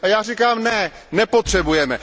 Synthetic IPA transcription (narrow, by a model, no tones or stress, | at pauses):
ajaːrikaːmnɛ | nɛpo̞t̪r̝̥ɛbujɛmɛ